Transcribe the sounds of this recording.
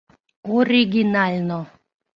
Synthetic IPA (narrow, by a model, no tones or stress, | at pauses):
ɔɾʲiɡʲinalʲno